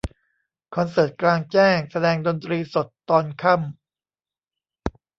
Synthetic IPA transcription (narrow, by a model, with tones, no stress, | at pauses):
kʰɔ˧nsɤː˨˩t̪̚klaː˧ŋt͡ɕɛː˥˩ŋsa˧dɛː˧ŋdo˧nt̪ɾiː˧so˨˩t̪ːɔː˧nkʰa˥˩m